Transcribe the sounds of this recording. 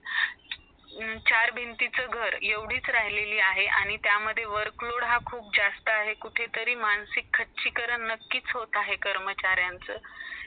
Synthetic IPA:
t͡ɕaɾbʱint̪it͡səɡʱəɾjeʋɽ̤iːt͡sɾaɦileliːaɦeʔa̰ɽ̃it̪jaməd̪ʱːjeʋəɾkloɽɦakʰuːp̚d͡zast̪əaɦekuʈʰet̪əɾiːmaɳsikʰːəʈt͡ɕikəɾəɳːəkːiːt͡sɦot̪aɦekəɾmət͡ɕaɾjant͡səː

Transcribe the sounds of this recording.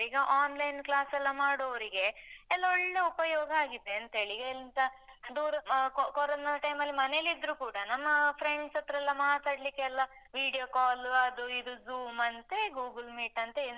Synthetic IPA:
iɡɐʔaːnlɐjnklaːsɛlːɐmaːɽoʋɐɾiɡe̞ɛlːɐɔɭːe̞upɐjɔːɡɐaːɡid̪ːeɐnt̪ɦe̞ːɭiɡɐelːint̪ɐd̪uːɾɐkkɔɾɔnɐʈɐjmɐlːimɐnelid̪ɾuːkuːɽɐnɐmːɐpʰɾeɳɖsɐt̪ːɐɾɛlːɐmaːt̪aːɽlikːeɐlːɐʋiːɽijoːkaːluɐd̪uid̪uzuːmɐnt̪eɡuːɡlmiːʈɐnt̪ei

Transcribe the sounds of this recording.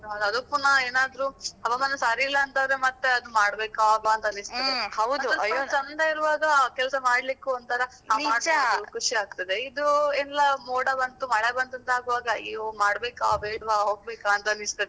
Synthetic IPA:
ɦɐd̪ɐd̪opːunɐeːnaːd̪ɾuɐʋamaːnɐsaːɾiːlːɐːnt̪adɐɾe̞mɐt̪ːeɐd̪umaːɽbeːkaːbaɐnt̪ɐːnist̪ɐdeɐwd̪uɐsɐmɐd̪ʱaiɾuʋaːɡɐkɛlɐsɐmaːɽlikːuɐnt̪ɐɾɐ | amaːɽukʰuʂiaːɡ̚t̪ɐd̪e̞id̪uɛnlːɐmoːɽɐbɐnt̪umɐɭebɐnt̪ɐnt̪aːɡuʋaːɡɐiʋumaːɽbeːkabeːɽʋaɦoːɡ̚beːkaːɐnt̪ɐɐnist̪ɐd̪e

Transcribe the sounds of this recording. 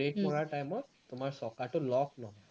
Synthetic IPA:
eʈmɔɽaʈajmɔ | t̪um̤aɹsɔkaʈulɔknɔɦɔ

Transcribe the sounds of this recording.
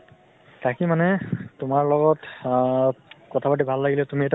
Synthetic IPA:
takimanɛtʊmaɹlɔɡɔt | kɔtʰapatibʱalːaɡilɛtumiet

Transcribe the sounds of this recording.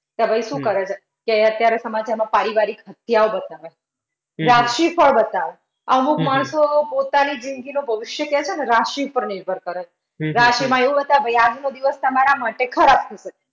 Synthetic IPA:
t̪abʱəjʃũkəɾet͡ʃʰe | keət̪jaɾesəmat͡ʃamãpaɾiʋaɾikɦət̪jaobət̪aʋe | ɾaʃifəɭbət̪aʋe | əmukmaɳ̃sopot̪anid͡ʒiŋɡinobʱəʋɪʃjəkɛt͡ʃʰeneɾaʃipəɾnɪɾbʱənkəɾet͡ʃ | ɾaʃimãeʋũbət̪aʋebʱajad͡ʒnod̪iʋəst̪əmaɾamaʈekʰəɾab̚t̪ʰəiʃək̚e̥

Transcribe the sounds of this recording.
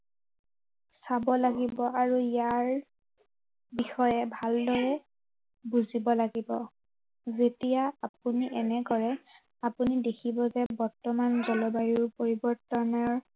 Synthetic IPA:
sabɔlaɡibɔʔaɹujaɹ | bixɔjɛbʱaldɔɹɛ | buzibɔlaɡibɔ | zetijaap̚uniʔɛnɛɡɔɹɛ | apunidekʰibɔzɛbɔɹtɔmanzɔlɔbaɹiɹpoɹibɔɹtɔnɔɹ

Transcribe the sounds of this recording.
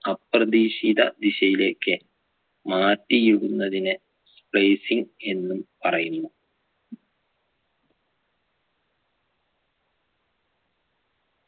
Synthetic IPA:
ɐprɐd̪iːɕiðɐ̰d̪iɕɐjile̞ːkːɨ | maːtːijuɻunːɐðinɨ | splejsiŋe̞nːumpɐrɐjunːu

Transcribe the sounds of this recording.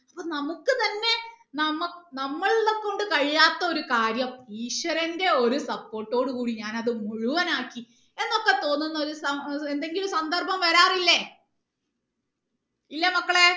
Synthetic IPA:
ɐpːoːnɐmukːɨt̪ɐnːe̞ | nɐmːɐnɐmːɐɭlokːo̞ɳɖɨkɐɻijaːt̪ːɐoɾukaːɾjɐmiːɕwɐɾɐnde̞o̞ɾusɐpːo̞ːrʈːo̞ːɽɨkuːɽiɲaːnɐðɨmuɻuʋɐnaːkːi | e̞nːokːe̞t̪o̞ːnːunːɐoɾusɐend̪e̞ŋɡilumsɐnd̪ɐrbɐmʋɐɾaːrilːɐ | ilːɐmɐkːɐɭe̞

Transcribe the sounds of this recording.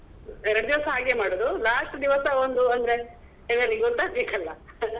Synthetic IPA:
ɛɾɐɽd̪iʋɐsɐaːɡeːmaːɽoːd̪ulaːʂʈd̪iʋɐsɐond̪uɐnd̪ɐɾe̞ | elɐɾiɡot̪ːaːɡbeːkɐlːɐ̰

